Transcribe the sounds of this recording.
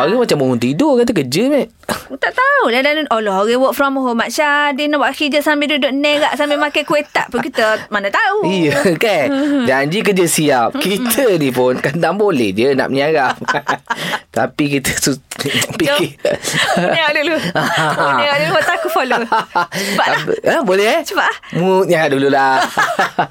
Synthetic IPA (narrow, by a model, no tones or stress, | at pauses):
aɣimat͡ʃaməɦunt̪idokat̪əkəd͡ʒəmɛʔ | t̪aʔt̪audadanɔlɔɦaɣewəkfɾɔmɦomaʔʃadinɔbaʔaxid͡ʒəsambidudʊʔnɛɡaʔsambemakajkuet̪aʔpʊkit̪əmanət̪auijəkad͡ʒaɲd͡ʒikəd͡ʒəsiap̚kit̪ʰənipʊnkəndaŋbolɛ̰hd͡ʒəna̰ʔməɲaɣam | t̪a̰pikit̪əsupiki | ɲaaʔduluaaɣaʔduluwot̪akufolo | sbaʔaiəbolɛsəbaʔlamut̪̚ɲaaʔdulula